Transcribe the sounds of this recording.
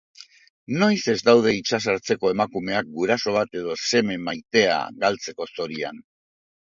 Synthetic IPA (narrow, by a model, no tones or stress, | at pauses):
no̞jse̞zd̪awð̞e̞it͡ʃas̬aɾt͡se̞ko̞e̞makume̞ak̚ɡuɾaso̞β̞at̪e̞ð̞o̞se̞me̞majt̪e̞a̰ɣalt͡se̞ko̞so̞ɾia̰n